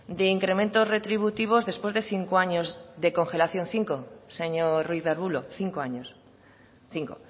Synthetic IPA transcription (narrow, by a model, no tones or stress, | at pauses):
d̪eiŋkɾe̞mẽnt̪ozre̞t̪ɾiβ̞ut̪iβ̞ozðe̞spwe̞zðeθiŋkoaɲozðe̞ko̞ŋxe̞laθjo̞n̟θiŋkoseɲorwiβeɾβuloθiŋkoaɲos | θiŋko̰